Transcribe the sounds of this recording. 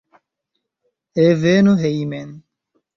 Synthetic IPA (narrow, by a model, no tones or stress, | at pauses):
evenoɦeimen